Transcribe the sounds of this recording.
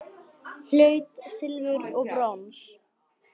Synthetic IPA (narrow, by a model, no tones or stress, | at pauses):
l̥œːɥt̪sɪlvʏɾɔɣbɾɔns